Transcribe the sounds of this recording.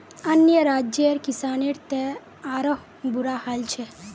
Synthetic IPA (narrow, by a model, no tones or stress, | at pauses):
ənjəɾaːd͡ʒjəɾkisaːneɾt̪e | aːɾoɦ | buɾahalt͡ʃʰe